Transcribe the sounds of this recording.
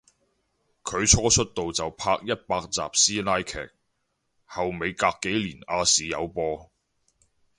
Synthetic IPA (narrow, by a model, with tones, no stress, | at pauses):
kʰɵ˨˧ɥt͡ʃʰɔː˥t͡ʃʰɵ˥t̚t̪o˨wt͡sɐ˨wpʰaː˧k̚jɐ˥t̚paː˧k̚t͡sa̰ː˨p̚siː˥laː˥jkʰɛ̰ː˨˩k̚ | hɐ˨wme˨˧jkaː˧kːe˨˥jliː˨˩naː˧siː˨˧jɐ̰˨˧wpɔː˧